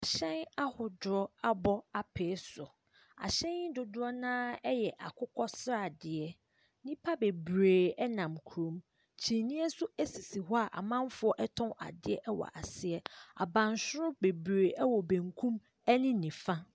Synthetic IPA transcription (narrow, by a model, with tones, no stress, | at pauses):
a˨ɕɛ̃˦na˦hʊ˨dʊ˨ɾɔ˦a˦bɔ˦a˨pʰeː˨˦sʊ˨ | a̰˨ɕɛ̃˦nɪ˦dʊ˨dʊ˦ɾɔ˦nãː˦ɛ˦jɛ˨ʔa̰˨kʰʊ˦kʰɔ˦sɾa˨dɪ˨ɛ˦ | nĩ˦pʰa˦be˨bɾeː˨ɛ˦nã˨mkʰu˨ɾõ˨˦m | t͡ɕʰi˨nĩ˦ɛ˦sʊ˦æ˦si˨si˨ɦɔ˦a˨ʔa̰˨mã˦mfʊ˦ɔ˦ʔɛ˦tʰɔ̃˦a̰˨dɪ˦ɛ˦ʔɛ˦wɔ̰˨ʔa˨sɪ˦ɛ˦a̰˨bã˨nsʊ˦ɾʊ˦be˨bɾeː˨ʔɛ˦wɔ˨bæ̃˨ŋkʰũ˦m | ɛ˦nɪ̃˦nĩ˨fã˦